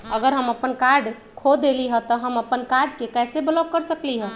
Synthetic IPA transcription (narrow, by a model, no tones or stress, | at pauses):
əɡəɾɦəməpənkaɾɖ | kʰod̪eliɦə̃t̪ɔɦəməpənkaɾɖkekɛsebəlɔb̚kəɾsəkliɦə̃